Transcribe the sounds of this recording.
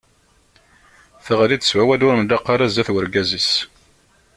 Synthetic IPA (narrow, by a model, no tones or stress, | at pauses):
θəʁlid̪ə̥swæwælʊɾənlɑqːɑɾæzæθwəɾɡæzis